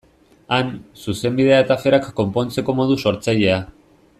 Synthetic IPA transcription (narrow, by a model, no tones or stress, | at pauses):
ansuse̞mbið̞e̞aet̪afe̞ɾakːo̞mpo̞nt͡se̞komo̞ð̞uso̞ɾt͡saʎe̞a